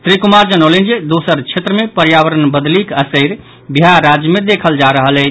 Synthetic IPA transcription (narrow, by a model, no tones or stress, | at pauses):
sɾikumaɾd͡ʒənəwlend͡ʒed̪osəɾt͡ʃʰet̪ɾəmepəɾjawəɾənbəd̪likəsəjɾ | biɦaɾad͡ʒjəmed̪ekʰəld͡ʒaɾəɦəlɛ